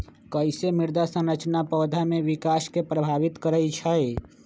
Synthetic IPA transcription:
kəjsemiɾd̪asə̃nɾət͡ʃnapəːd̪ʱameʋikaskepɾəbʱaʋit̪kəɾəjt͡ʃʰəe

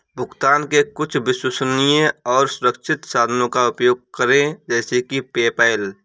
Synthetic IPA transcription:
bʱʊkt̪aːnkekʊt͡ʃʰbɪswʊsnijẽɔːɾsʊɾəkʃʰɪt̪saːd̪ʱnõkaʊpjoːɡ̚kəɾẽd͡ʒɛːsekipeːpaːɪl

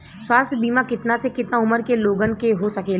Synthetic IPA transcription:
swaːst̪ʰjbiːmakɪt̪nasekɪt̪naʊməɾkeloːɡənkeɦosɐkeːl

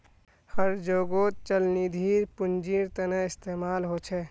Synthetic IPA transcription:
həɾd͡ʒoːɡot͡ʃəlnid̪ʱiːɾpʊnd͡ʒiːɾt̪ənəɪst̪eːmaːlɦot͡ʃʰɛ

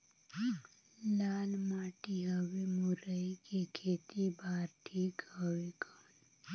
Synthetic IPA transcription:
laːlmaːʈiɦəwemʊɾəikekʰeːt̪ibaːɾʈʰiːkɦəwekaːn

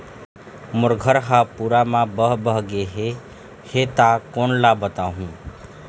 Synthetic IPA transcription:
mʊɾɡʱəɾɦapuːɾamãbəɦbəɦɡeɦe | het̪akoːnlabət̪aːɦũː

